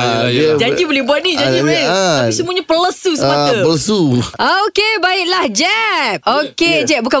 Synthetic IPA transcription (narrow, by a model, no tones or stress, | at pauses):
jd͡ʒad͡ʒibolɛhbuat̪̚nid͡ʒaiiaisumũaɲapələsusəaəpələsuʔaokebaiʔ̚lahd͡ʒɛp̚oked͡ʒɛp̚buka